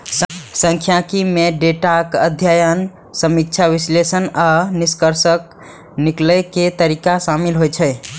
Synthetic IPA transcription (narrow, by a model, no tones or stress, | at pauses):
ssə̃ŋkʰjãkimeɖeʈakəd̪ʱjajən | səmik̚t͡ʃʰaʋislesənaniskəɾsək̚ | nikləket̪əɾikasamilɦojt͡ʃʰɛ